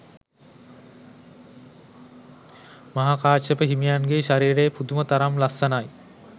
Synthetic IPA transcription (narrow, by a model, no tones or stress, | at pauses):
maɦakaːʃəpəɦimijanɡeʃaɾiːɾejpud̪umət̪aɾamlasːanaj